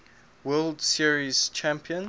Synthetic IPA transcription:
wɛldsiɹiz̥t͡ʃʰæ̃mpʰiə̃n

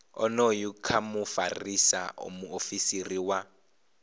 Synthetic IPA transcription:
ɔ̰nojukʰamufa̰risa̰o̰muofisiriwa

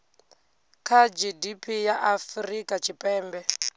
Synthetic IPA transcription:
kʰad͡ʒidipʰijaʔafrikʼat͡ʃʰipʼɛːmbɛ

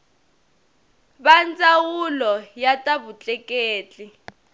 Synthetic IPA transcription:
βant͡sʼawulɔjatʼaβut͡ɬʼɛkʼeːt͡ɬʼi

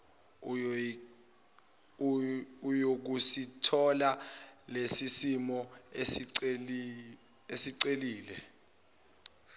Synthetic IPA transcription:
ujok̬usitʰɔla | lesisimɔ | e | esiǀeliːlɛ

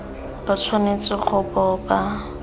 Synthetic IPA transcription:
b̥at͡sʰwanet͡sɪχʊbɔba

